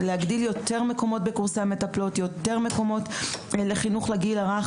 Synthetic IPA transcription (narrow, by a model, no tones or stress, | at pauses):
lehaɡdiljo̞t̪e̞ʁme̞ko̞mo̞t̚be̞kuʁseme̞taplo̞tjo̞t̪e̞ʁme̞ko̞mo̞tleχinuχlaɡilaʁaχ